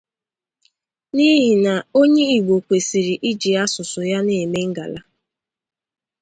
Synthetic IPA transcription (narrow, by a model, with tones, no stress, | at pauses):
ni˦ɦi˨na˨o˦ɲe˦i˨ɡ͡bo˨kʷe˨si˨ɾi˨ʔi˦d͡ʒi˨a˦sʊ˨sʊ˨ja˦ne˨me˦ŋ̩˦ɡa˨la˦